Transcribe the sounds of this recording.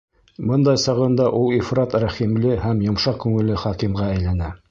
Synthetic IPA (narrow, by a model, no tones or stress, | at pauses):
bɤnd̪ɑjsɑʁɤ̆nd̪ɑʔulˠifɾɑt̪ɾæχimlɘhæmjŏmʃɑqkʉŋɘ̆lɘχɑkimʁææjlænæ